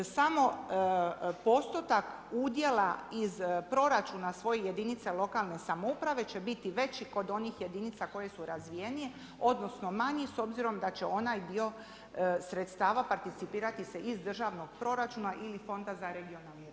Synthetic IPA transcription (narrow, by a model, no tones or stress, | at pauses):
samo̞ | po̞st̪ot̪akud̪je̞laizpɾo̞ɾat͡ʃuːnasʋo̞jeje̞d̪init̪se̞lˠo̞kalˠne̞samoupɾaʋe̞t͡ɕe̞bit̪iʋe̞t͡ɕiko̞d̪o̞nixje̞d̪init̪sako̞je̞suɾazʋije̞nije̞ | o̞d̪no̞sno̞maɲiso̞bziɾo̞md̪at͡ɕe̞o̞najd̪io̞ | sɾet̪st̪aːʋapaɾt̪it̪sipiːɾat̪ise̞ʔizd̪r̩ʒaʋno̞ɡ̥pɾo̞ɾat͡ʃuːnaʔilifo̞nd̪azaɾeɡio̞nalni